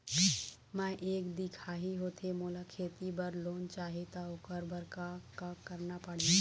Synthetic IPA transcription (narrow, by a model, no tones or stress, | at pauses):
mãʔeːkd̪ikʰaɦiɦoːt̪ʰemolakʰeːt̪ibəɾloːnt͡ʃaɦet̪aokəɾbəɾkakakəɾnapəɽ̤i